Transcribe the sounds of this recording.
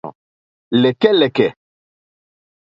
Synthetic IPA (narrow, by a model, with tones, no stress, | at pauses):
lɛ˨kɛ˦lɛ˨kɛ˨